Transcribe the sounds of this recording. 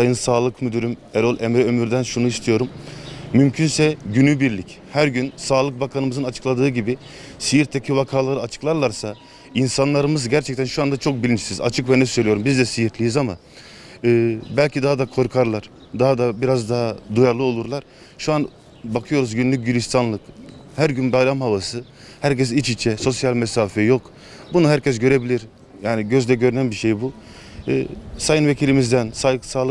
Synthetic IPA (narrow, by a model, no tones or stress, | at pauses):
ajɯnsaːlˠɯkmyd̪yɾymɛɾolˠʔemɾɛømyɾd̪ænʃunuist̪ʰijo̞ɾumːymcʰynsɛɟynybiɾlʲic | hæɾɟynsaːlˠɯk̚bakʰanɯmɯzɯnat͡ʃʰɯ̥klˠad̪ɯːɟibi | sijiɾt̪ʰːecʰivakʰaːlˠaɾɯat͡ʃʰɯ̥klˠaɾlˠaɾsa | insanlˠaɾɯmɯzɟæɾt͡ʃʰɛc̚t̪ʰænʃuand̪at͡ʃʰo̞k̚bilʲint͡ʃʰi̥siza̰t͡ʃʰɯkvɛnɛsøjlʲijo̞ɾumbizd̪ɛsijiɾt̪lʲijizama | ɯbælʲcʰid̪aɦad̪akʰo̞ɾkʰaɾlˠaɾ̥ | d̪aɦad̪abiɾazd̪aɦad̪ujaɾlˠɯo̞lˠuɾlˠaɾ | ʃuan | bakʰɯjo̞ɾuzɟynlʲyc̚ɟylʲist̪ʰanlˠɯkhæɾɟynbajɾamhavasɯ | hæɾcʰɛs̬it͡ʃit͡ʃʰɛso̞sjalʲmɛsaːfɛjo̞k | bunuɦæɾcʰɛs̬ɟø̞ɾe̞bilʲiɾ | jaːniɟøzlʲɛɟø̞ɾynænbiʃejbṵ | sajɯnve̞cʰilʲimizd̪ænsasaːlˠɯ